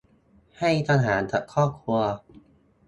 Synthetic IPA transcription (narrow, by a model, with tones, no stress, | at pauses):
ha˥˩jt̪ʰa˧nɦaː˩˦nt͡ɕa˨˩kʰɔː˥˩p̚kʰu˧ɐ